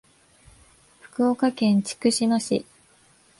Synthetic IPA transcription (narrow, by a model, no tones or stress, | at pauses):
ɸɯ̟̥kɯ̟okakẽ̞ɲ̟t͡ɕi̥kɯ̟ɕino̞ɕḭ